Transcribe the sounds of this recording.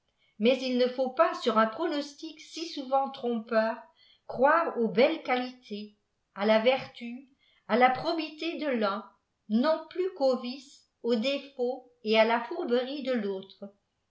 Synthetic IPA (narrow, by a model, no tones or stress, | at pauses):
mɛzilnəfopasyʁɛ̃pχɔnɔst̪iksisuvɑ̃t̪χɔ̃pœːʁ | kχwaːʁobɛlkalit̪ʰe | alavɛʁt̪y | alapχɔbit̪ed̪əlœ̃ | nɔ̃plykovis | od̪efo | ealafuʁbəʁid̪əloːt̪χ